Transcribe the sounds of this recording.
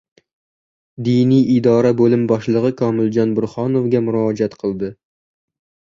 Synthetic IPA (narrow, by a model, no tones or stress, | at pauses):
d̪inijid̪ɑːɾɛbolumbɑʃlˠəʁəkʰɑːmɪld͡ʒɑnbʊɾχɑnovɡʲɛmuɾɑːd͡ʒɛt̪qʰəlˠd̪ɨ